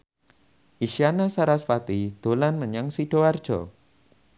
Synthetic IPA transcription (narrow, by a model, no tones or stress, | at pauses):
ʔiʃianasaɾasfat̪id̪̥olanməɲaŋsiɖ̥oard̥ʒ̥ɔ̰